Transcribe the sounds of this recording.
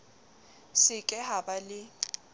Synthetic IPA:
sɪkʼɛhabalɪ

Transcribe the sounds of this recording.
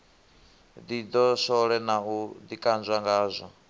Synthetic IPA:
d̪id̪ɔsɔɺɛnaud̪ikʼand͡ʒʷaŋɡaːzʷɔ

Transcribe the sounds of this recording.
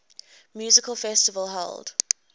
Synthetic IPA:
mjuːzɪkʰəlˠfɛstɪvəlˠɦɛ̰ld̥

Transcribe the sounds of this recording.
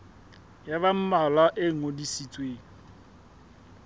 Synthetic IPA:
jaβam̩malaʔeŋ̩odisit͡sʼweːŋ̩

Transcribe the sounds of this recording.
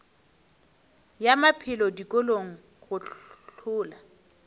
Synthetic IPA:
jamapʰɪlɔdikʼoloŋ̩ | ɣʊt͡ɬɬʊːla

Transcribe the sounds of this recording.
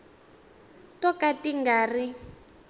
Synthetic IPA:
tɔkatiŋɡaːri

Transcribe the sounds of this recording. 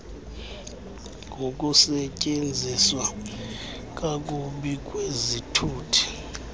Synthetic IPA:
ŋɡʱok̬ʼusɛcʼend͡zʱiswa | k̬ʼak̬ʼuɓik̬ʼwezitʰuːtʰi̥

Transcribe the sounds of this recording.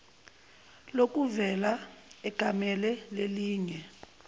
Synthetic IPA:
lok̬ʼuvɛlaɛɡ̥ʱamɛlɛleliːŋɛ

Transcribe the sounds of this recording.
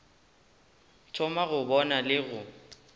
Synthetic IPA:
t͡ʃʰʊmaɣʊbɔnalɪɣʊ

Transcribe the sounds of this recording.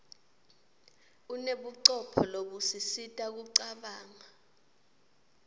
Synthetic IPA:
uneɓuǀɔpʰɔloɓusisitʼak̬uǀaɓaːŋa

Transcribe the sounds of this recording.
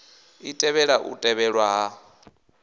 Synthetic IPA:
itʼɛβɛɺaʔṵtʼɛβɛɺwaɦa

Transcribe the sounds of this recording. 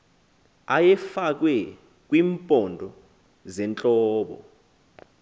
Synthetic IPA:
ajɛfak̬wɛ | k̬wiːmpʼɔndʱɔ | zɛnt͡ɬʼɔːɓɔ̰

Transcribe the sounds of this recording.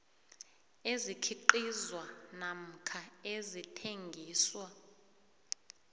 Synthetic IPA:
ezikʰiǃizwanam̩kʰaezitʰeŋɡʱiːswa

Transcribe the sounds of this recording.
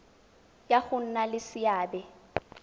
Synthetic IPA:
jaɣʊn̩nalɪsɪaːbɛ

